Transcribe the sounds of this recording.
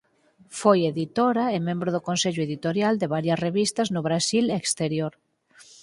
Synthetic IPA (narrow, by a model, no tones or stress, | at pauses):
fojeðit̪oɾaemẽmbɾʊðʊkõnseʎʊeðit̪oɾjald̪eβaɾjɐsreβist̪ɐznʊβɾasilekst̪eɾjoɾ